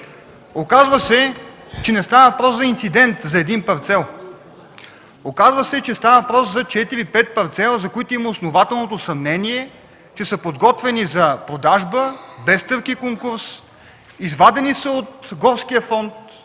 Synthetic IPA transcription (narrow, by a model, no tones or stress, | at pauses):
okazvəsɛ | t͡ʃɛnɛst̪avəvɐpɾɔszɐint̪sid̪ɛnt̪zɐɛd̪inpɐɾt̪sɛlˠ | okazvəsɛt͡ʃɛst̪avəvɐpɾɔszɐt͡ʃɛt̪iɾipɛt̪̚pɐɾt̪sɛlˠəzɐkoit̪oiməosnovat̪ɛlˠnot̪osɐmnɛniɛ | t͡ʃɛsəpod̪ɡɔt̪vɛnizɐpɾod̪aʒbəbɛst̪ɤɾkikoŋkuɾs | izvad̪ɛnisəot̪ɡɔɾskijəfɔnt̪